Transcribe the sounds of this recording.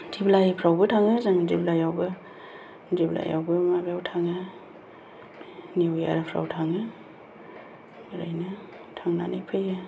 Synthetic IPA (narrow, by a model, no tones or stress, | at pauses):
diblajpʰɾawbɯtʰaŋɯzaŋdiblajawbɯ | dibla̰ja̰wbɯmabjawtʰaŋɯ | niwja̰ɾapʰɾa̰wtʰaŋɯ | ɾajnɯ | tʰaŋna̰nɯjpʰɯjɯ